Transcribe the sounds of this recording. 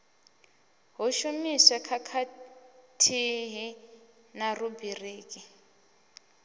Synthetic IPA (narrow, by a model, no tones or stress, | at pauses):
ɦuʃumisakʰakʰatʰiɦi | narubireːkʼi